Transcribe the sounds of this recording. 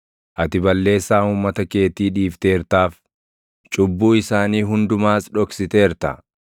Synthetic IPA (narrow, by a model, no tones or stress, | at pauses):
ʔɐt̪ɪbɐlːe̞ːsːaːuːmːɐt̪ɐke̞ːt̪iːᶑiːft̪e̞ːɾt̪aːf | t͡ʃʼʊbːuːɪsaːniːɦʊnd̪ʊmaːsᶑɔksɪt̪e̞ːɾt̪ɐ̰